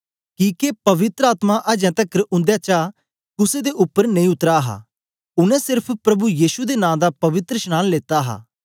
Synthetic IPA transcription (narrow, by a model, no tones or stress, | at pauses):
kĩːkepɐʋɪt̪ɾəaːt̪mãʔəd͡ʒɛ̃ːt̪ɐkəɾʊ̃nd̪jaːt͡ʃa | kʊsed̪eʔʊpːəɾnəĩːʊt̪ɾaɦa̰ː | ʊnɛ̃ːsɪɾpʰpɾɐbujiːʃud̪enãːd̪aːpɐʋɪt̪ɾəʃñaːnleːt̪aɦa̰ː